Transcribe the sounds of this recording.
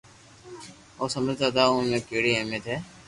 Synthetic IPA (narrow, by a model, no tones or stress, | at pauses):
oːsəməd͡ʒd̪aːt̪aːõmẽːkeːɽiːɦeːmet̪ɦɛː